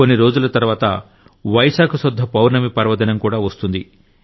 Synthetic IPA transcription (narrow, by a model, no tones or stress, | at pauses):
onːiɾoːd͡ʒulɐt̪ɐɾʋaːt̪ɐ | ʋɐjsaːkʰusud̪ʱːɐpɐwɾnɐmipɐɾʋɐd̪ɐnɐmkuːɽaːʋɐst̪und̪i